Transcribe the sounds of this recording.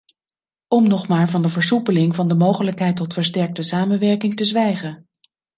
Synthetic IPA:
ɔmnɔχmaːɹvɑndəvəɹsupəlɪŋvɑndəmowχələkɦɛjtːɔtfəɹs̬tɛɹk̚təsaːmənʋɛɹkɪŋtəzʋɛjχən

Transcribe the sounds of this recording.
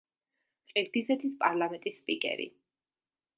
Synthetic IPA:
kʼiɾd̪izɛt̪ʰispʼaɾlˠamɛnt̪ʼisːpʼikʼɛ̰ɾḭ

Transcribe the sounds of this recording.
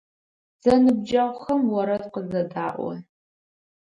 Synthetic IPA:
z̥ɐnɨb̚d͡ʒaʁʷxɐmwɐɾɐdqəzɐdaːʔʷɔ̰

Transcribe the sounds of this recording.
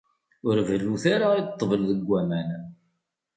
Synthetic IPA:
ʊɾvəlːuθaɾait̪ˤːvəlðəɡʷːæmæn

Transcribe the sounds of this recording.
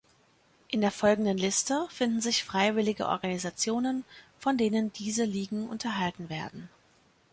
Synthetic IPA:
ʔɪndeːɐfɔlɡŋ̩dənlɪstəfɪndn̩zɪçfʁ̥aɪvɪlɪɡə̰ʔɔ̰ɐɡanizat͡sjoːnənfɔndeːnəndiːzəliːɡŋ̩ʔʊ̰ntʰɐɦaltn̩veːɐdn̩

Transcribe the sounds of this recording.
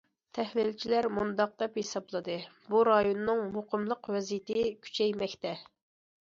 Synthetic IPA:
t̪ʰɛhlilt͡ʃʰilæɾmund̪ɑq̚d̪ɛphesɑblˠɨd̪ɨ | buɾɑjonːɨŋmoqʰəmlˠəqwɛzijt̪ɪkʲʰy̥t͡ʃʰɛjmɛkʲt̪ɛ

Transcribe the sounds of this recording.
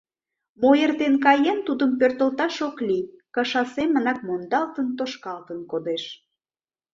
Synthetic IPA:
mojert̪enkɑjent̪ud̪əmpørt̪əlt̪ɑʃoklikəʃɑsemːənɑk̚mond̪ɑlt̪ənt̪oʃkɑlt̪ənkod̪eʃ

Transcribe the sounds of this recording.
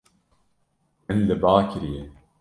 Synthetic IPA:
mɨnlɨbaːkʰɪɾije

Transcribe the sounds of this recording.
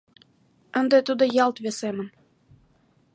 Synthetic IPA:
ə̆nd̪et̪ud̪ɤ̆jɑlt̪βesemə̆n

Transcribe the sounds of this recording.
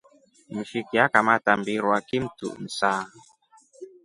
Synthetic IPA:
m̩ʃikiakamatambiɾwakim̩tṵʔm̩saː

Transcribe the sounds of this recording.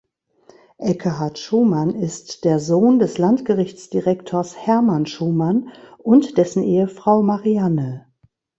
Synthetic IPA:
ʔɛkʰəɦaɐtʃuːmanɪstd̥eːɐzoːndɛslantɡ̥əʁɪçt͡sd̥iʁɛktʰoːɐshɛɐmanʃuːmanʔʊntd̥ɛsn̩ʔeːəfʁ̥aʊmaʁianə

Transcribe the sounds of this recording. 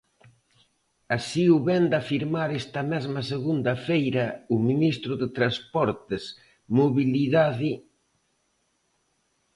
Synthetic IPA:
asiuβɛnd̪afiɾmaɾɛst̪ɐmɛzmɐseɣund̪ɐfejɾɐʊminist̪ɾʊðet̪ɾaspɔɾt̪es | moβiliðaði

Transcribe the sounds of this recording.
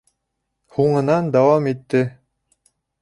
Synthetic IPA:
huɴɤ̆nɑnd̪ɑwɑmit̪ːɘ

